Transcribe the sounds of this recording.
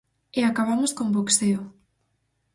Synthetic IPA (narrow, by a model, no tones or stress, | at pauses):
eakaβ̞amoskombokseo